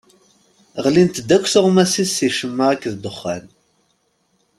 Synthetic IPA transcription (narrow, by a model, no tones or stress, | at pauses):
ʁlint̪d̪ækʷːθʊʁmæsisːiʃəmːaʁækːðd̪əχːæ̰n